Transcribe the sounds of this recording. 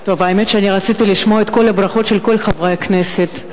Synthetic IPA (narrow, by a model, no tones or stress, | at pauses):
t̪o̞vaemet̪ʃeaniʁat͡sit̪iliʃmoaet̪ko̞lhabʁaχo̞t̪ʃelko̞lχavʁakneset̪